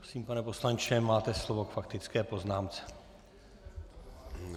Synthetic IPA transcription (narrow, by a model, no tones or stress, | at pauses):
osiːmpanɛpo̞slant͡ʃɛmaːt̪ɛslovo̞kfakt̪ɪt͡skɛːpo̞znaːmt͡sɛ̥